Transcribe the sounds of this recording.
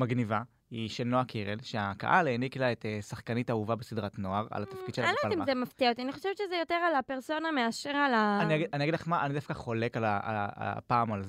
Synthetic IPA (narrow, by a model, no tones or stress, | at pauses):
maɡniva | iʃelnoakʰiʁelʃeaka̰ʔaleːniklaet̪esaχkanitauvabesid̪ʁatno̞aʁa̰lat̪afkid̪̥ʃelaaloalimazemaft̪iaot̪ianiχoʃevetʃezejo̞t̪eʁalapeʁso̞nameaʃeʁalaaniaɡianiaɡidlaχmaʔanid̪afkaχo̞le̞kalaa̰paːmalz